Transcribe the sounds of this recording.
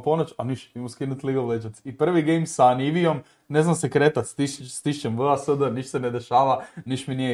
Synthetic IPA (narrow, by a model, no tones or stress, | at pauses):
ponot͡ʃaniʃmimuskinut̪liɡoʋlet͡ʃat̪sipr̩ʋiɡejmsaniʋiom | neznamsekɾet̪at̪st̪ist̪iʃt͡ʃemʋəasəd̪əniʃt̪sened̪eʃaːʋaniʃminije